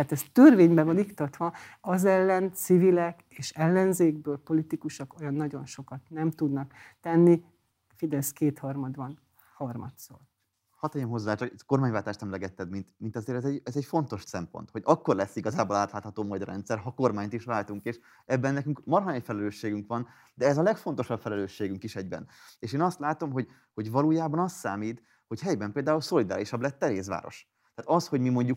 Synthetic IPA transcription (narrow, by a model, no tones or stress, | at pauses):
aːt̪ɛst̪ørveːɲbɛvɒnikt̪ot̪ʋɒɒzɛlːɛnt̪sivilɛk | eːʃɛlːɛnzeːɡ̚bøːlpo̞lit̪ikuʃɒko̞jɒnːɒɟo̞nʃo̞kɒt̪nɛmt̪ud̪nɒkt̪ɛnːi | fid̪ɛskeːt̪hɒrmɒd̪bɒn | hɒrmɒ̰t̪so̰ːr | hɒt̪ɒjɛmɦo̞zːaːt͡ʃɒkɛko̞rmaːɲvaːlt̪aːʃt̪ɛmlɛɡɛt̪ːɛd̪mint̪mint̪ɒzeːɾɛzɛɟɛzɛcfo̞n̪t̪o̞ʃsɛmpo̰nt̪ho̞ɟɒkːo̞rlɛsːiɡɒzaːbolaːt̪laːt̪hɒt̪oːmɒd̪rɛ̰nt̪sɛrɦɒko̞rmaːɲt̪iʃvaːlt̪uŋkeːʃ | ɛbːɛnːɛkyŋkmɒrɦɒnɛjfɛlɛløːʃːeːɡyŋkʋɒn | d̪ɛɛzɒlɛkfo̞nt̪oʃɒbfɛlɛløːʃːeːɡyŋkiʃɛɟbɛ̰neːʃeːnɒst̪laːt̪o̞mɦo̞ɟ | ho̞ɟvɒluːjaːbɒnɒst̪saːmiːt̪ | ho̞chɛjbɛmpeːld̪aːulso̞lid̪a̰ːɾiʃɒblɛt̪ːɛɾeːs̬va̰ːɾo̞̰ʃ | t̪aːt̪ɒsho̞ɟmimo̞ɲɟuk